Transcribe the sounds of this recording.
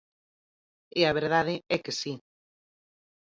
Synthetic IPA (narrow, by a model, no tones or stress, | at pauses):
eaβ̞eɾð̞að̞ɪɛkesi